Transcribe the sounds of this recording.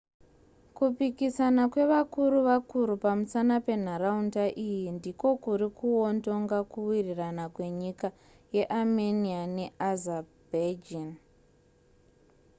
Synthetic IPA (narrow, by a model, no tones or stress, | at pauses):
kupikisanakwe̞ʋakuɾuʋakuɾupamusanape̞n̤aɾaundaʔijindiko̞kuɾikuondo̞ŋɡakuwiriranakwe̞ɲika | je̞ʔameniane̞azabed͡ʒin